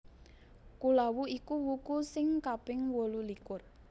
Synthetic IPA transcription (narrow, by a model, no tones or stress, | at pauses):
kulawuikuwukusɪŋkapɪŋwolulikʊr